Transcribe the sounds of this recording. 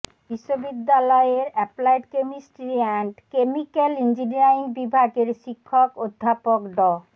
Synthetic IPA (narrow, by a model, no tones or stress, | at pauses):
biʃːobid̪ːalɔeeɾɛplajʈkemisʈɾiɛɳʈkemikelind͡ʑiniɾainbibʱaɡeɾʃikʰːokod̪ʱːapokɖɔ